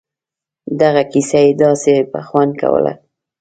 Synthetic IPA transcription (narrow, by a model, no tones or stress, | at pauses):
d̪aɣakisajed̪ɑsepa̰xwand̪ka̰wə̰la̰